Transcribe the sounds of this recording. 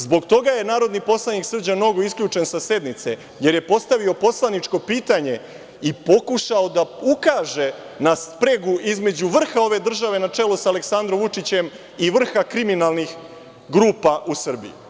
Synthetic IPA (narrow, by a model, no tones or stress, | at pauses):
zbo̞ɡt̪o̞ɡaje̞naːɾo̞d̪nipo̞slˠaniksr̩d͡ʑano̞ɡo̞iskʎuːt͡ʂe̞nsase̞d̪nit̪se̞ | je̞ɾje̞po̞st̪aʋio̞po̞slˠanit͡ʂko̞piːt̪aɲe̞ | ipo̞kuʃaod̪aukaːʒe | naspɾeɡuʔizme̞d͡ʑuʋr̩xao̞ʋe̞d̪r̩ʒaʋe̞nat͡ʂe̞losale̞ksand̪ɾomʋut͡ʂit͡ɕe̞m | iʋr̩xakɾiminalˠnix | ɡɾuːpaʔusr̩bḭjṵ